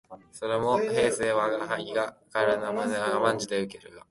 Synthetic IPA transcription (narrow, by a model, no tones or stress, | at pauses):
so̞ɾe̞mo̞he̞ːse̞ːβaɡaɦaiɡakaɾenamanaamãɲ̟d͡ʑid̪e̞ɯ̟ke̞ɾɯ̟ɡa